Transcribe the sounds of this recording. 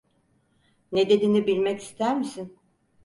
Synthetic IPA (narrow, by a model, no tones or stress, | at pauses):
ned̪e̞d̪inibilʲmɛci̥st̪ʰæɾmisin